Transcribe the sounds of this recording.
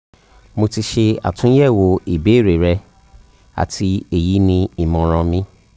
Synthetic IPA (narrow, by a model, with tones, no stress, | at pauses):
mo˧ti˧ʃe˧a̰˨tũ˦jɛ˦˨wo˧i˨be˨˦˨ɾe˨ɾɛ˧ | a̰˨ti˧e˦˨ji˨˦nĩ˧i˨mɔ̃˨˧ɾ̃ɔ̃˧mĩ˧